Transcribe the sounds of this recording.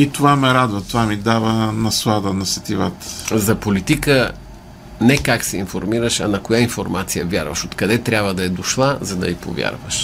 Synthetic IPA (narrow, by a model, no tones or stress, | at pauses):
it̪ovamɛɾad̪vət̪ovamid̪avənɐslˠad̪ənɐsɐt̪ivat̪zɐpolit̪ikə | nɛkaksɛḭnfoɾmiɾəʃɐ̰nɐkojainfoɾmat̪sijəvʲja̰ɾvə̰ʃot̪kɐd̪ɛt̪ɾʲabvəd̪ɐɛd̪oʃlˠazɐd̪ɐ̰ipo̰vʲja̰ɾvəʃ